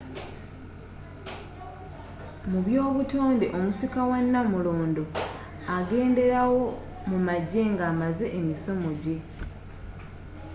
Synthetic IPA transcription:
muβjo̞ːβutoːndeʔo̞musikawanːamuloːndo̞ | aɡe̞ːnde̞ɾawo̞ | mumaɟe̞ŋɡaːmaze̞ʔemiso̞mo̞ɟe̞

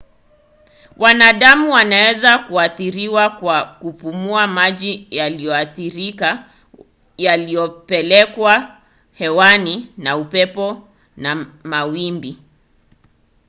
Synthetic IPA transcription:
wʔanaɗamuwanawɛzakuaθiɾiwakwakupumuamaʄijalijɔaθiɾika | jalijɔpɛlɛkwa | hɛwaninaupɛpɔ | namawimbi

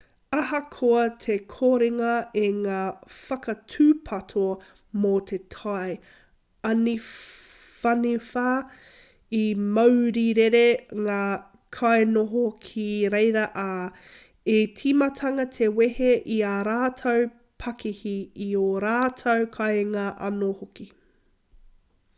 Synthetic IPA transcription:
ɐɦɐkʰoɐt̪ʰekʰoːɾeŋɐʔeŋaːfɐkɐtʰʉːpʰɐtʰo | mot̪ʰetʰɐj | ɐni | fɐnifa | imɐwɾiɾeɾeŋaː | kʰɐjnoɦokʰiɾejɾɐʔa | etʰimɐtʰɐŋɐtʰeweheʔiaːɾaːtʰɐw | pʰɐkihiioɾaːtʰɐwkʰɐjŋaːʔɐ̰nohoki

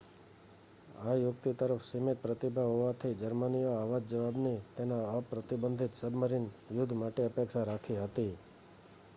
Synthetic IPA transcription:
ajʊk̚t̪it̪əɾəfsimet̪̚pɾət̪ibʱaɦoʋat̪ʰəid͡ʒəɾmənijoaʋad͡ʒd͡ʒəʋabnit̪enaəpɾət̪ibənd̪ʱit̪səbməɾinʋjʊd̪ʱmaʈeəpekʃaɾakʰiɦət̪i

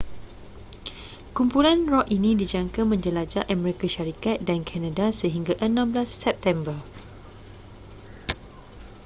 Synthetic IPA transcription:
kumpulanrɔʔinĩdid͡ʒaŋkamə̃ɲd͡ʒəlad͡ʒaʔamɛɾikaʃaɾikat̪̚dankʰanadasəɦiŋɡaʔənãmblasːɛp̚t̪ɛmbər

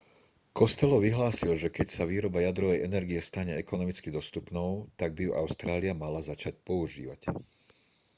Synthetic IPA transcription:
kɔst̪ɛlɔʋiɦlaːsilʒɛkɛcsaʋiːɾɔbajad̪ɾɔʋɛjɛnɛɾɡiɛst̪aɲɛɛkɔnɔmit͡skid̪ɔst̪upnɔʊt̪aɡ̚bijuʔaʊst̪ɾaːliamalazat͡ʃac̚pɔuʒḭːʋa̰c

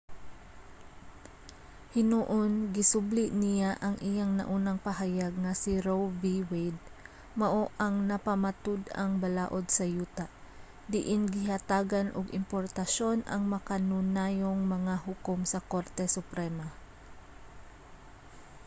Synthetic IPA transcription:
hɪnuʔonɡɪsʊblɪʔnɪjaʔɐŋʔijaŋnɐ̰ʔuːnɐŋpɐɦajaɡ̚ŋɐsɪɾowviwɛd̪̚ | mɐʔoʔɐŋnɐpɐmɐt̪ʊd̪ɐ̰ŋbɐlaːʔod̪̚sɐjuːt̪aʔ | d̪ɪʔɪnɡɪɦɐt̪aːɡanʔʊ̰ɡɪ̰mpoɾt̪ɐʃo̞nʔɐ̰ŋmɐkɐnʊnaːjoŋmɐŋahʊkomsɐkoɾt̪ɛsʊpɾɛma

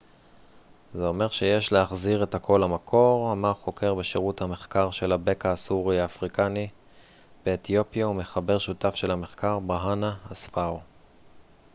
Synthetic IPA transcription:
zeo̞me̞ʁʃe̞je̞ʃleaχziʁe̞thakʰo̞lamakʰo̞ʁamaʁχo̞kʰe̞ʁbe̞ʃeʁuthame̞χkaʁʃe̞labe̞kaːsuʁiaːfʁikani | beːt̪jo̞pjaume̞χabe̞ʁʃutafʃelame̞χkaʁbaɦanaːsfao

